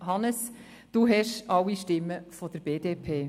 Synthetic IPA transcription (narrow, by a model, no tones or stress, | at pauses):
ɦɑnəs | d̥uːɦɛʃɑwːiʃtɪmːəfɔd̪̥əɾb̥eːd̥eːpʰeː